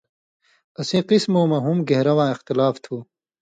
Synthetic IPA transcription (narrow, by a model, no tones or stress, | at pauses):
ɐsĩːqismoːmɐɦumɡeɦɾɐwãːɪxt̪ɪlaːft̪ʰuː